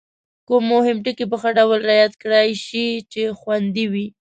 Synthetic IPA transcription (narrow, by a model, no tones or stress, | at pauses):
komːʊhɪmʈəkip̬əxəɖawlɾajat̪kɽajʃit͡ʃexwand̪iwi